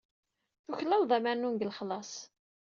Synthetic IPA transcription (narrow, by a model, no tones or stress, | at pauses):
θuçlæwðˤæmænunɡəlχlɑsˤ